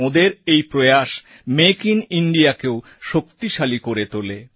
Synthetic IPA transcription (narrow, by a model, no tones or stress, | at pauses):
od̪eɾejpɾoejaʃ | mekiniɳɖiakeo | ʃokt̪iʃalikoɾet̪ole